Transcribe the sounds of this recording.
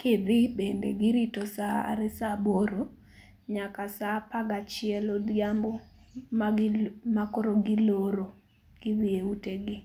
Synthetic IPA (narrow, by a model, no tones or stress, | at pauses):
kʰɪd̪ɪbendḛɡɪɾitosaa̰ɾɛsaboɾo | ɲakasapaɡat͡ʃɪɛlɔdjambo | mamakoɾoɡɪloɾo | ɡ̥ɪd̪ieuteɡɪ